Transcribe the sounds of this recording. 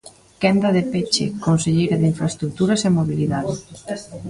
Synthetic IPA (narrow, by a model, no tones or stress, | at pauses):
kɛnd̪ɐðepet͡ʃḛkonseʎejɾɐðeiɱfɾaest̪ɾuk̚t̪uɾɐsemoβiliðaðɪ